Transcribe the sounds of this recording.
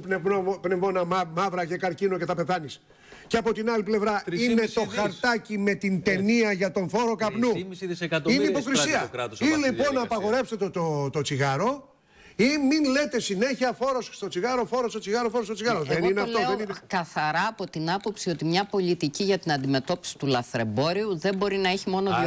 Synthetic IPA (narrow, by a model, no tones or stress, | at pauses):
neopnevonɐmɐvɾɐcekɐɾcinoce̞t̪ɐpe̞θɐnis | ceɐpo̞t̪inɐliple̞vɾɐine̞t̪o̞xɐɾt̪ɐcime̞t̪int̪e̞niɐʝɐt̪o̞nθo̞ɾo̞kɐpnuisðisekɐt̪oineipo̞kɾissiɐkɾɐt̪osilipo̞nːɐːpɐɣo̞ɾe̞pst̪et̪ot̪ot̪ot͡siɣɐɾo̞ | iminle̞t̪e̞sine̞çiɐfo̞ɾosst̪o̞t͡siɣɐɾo̞fo̞ɾost̪ot͡siɣɐɾofoɾost̪ot͡siɣɐɾoðeenineɐft̪oðenikɐθɐɾɐːpo̞t̪inɐpo̞psio̞t̪imɲɐpo̞lit̪iciʝɐt̪inɐnd̪ime̞t̪o̞pi̥si̥t̪ulɐθɾe̞bo̞ɾiuðe̞mbo̞ɾinɐeçimo̞no